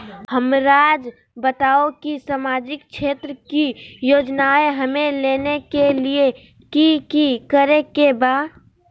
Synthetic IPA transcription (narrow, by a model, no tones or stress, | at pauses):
həmɾaːd͡ʒ | bət̪aːokisamaːd͡ʒɪk̚t͡ʃʰeːt̪ɾəkijoːd͡ʒnaeɦəmẽleːnekelie | kikikəɾekebaːd̪